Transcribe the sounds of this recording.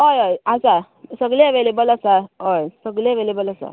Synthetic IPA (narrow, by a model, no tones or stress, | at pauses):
ɦojɦəjasa | səɡleʋelebəlasaɦəjsəɡleʋelebələsa̰